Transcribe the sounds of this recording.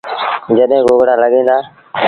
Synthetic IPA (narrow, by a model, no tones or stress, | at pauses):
d͡ʒəɗɦẽːɡoːɡɽaːləɠẽːnd̪aː